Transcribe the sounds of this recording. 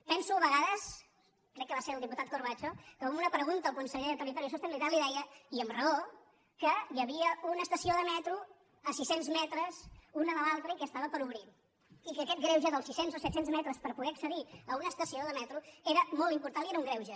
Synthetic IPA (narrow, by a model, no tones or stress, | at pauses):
pɛnsuəβəɣaðəs | kɾɛkːəβaseɾlˠd̪iput̪at̪̚kuɾβ̞at͡ʃokəumunəpɾəɣunt̪əːlˠkunsəʎeðət̪ərit̪ɔɾisost̪eɛnliðaliðɛəiəmrəo | kəjəβiəunəst̪əsioðəmɛt̪ɾu | əsisenzmɛt̪ɾəzunələlalˠt̪ɾəikɛəst̪aβəpəɾuβɾi | ikəkɛt̪̚ɡɾɛwʒəðəlˠsisenzosɛt̪senzmɛt̪ɾəspəɾpuɣɛəksəðiəunəst̪əsioðəmɛt̪ɾueɾəmolˠt̪impuɾt̪anlieɾəuŋɡɾɛwʒə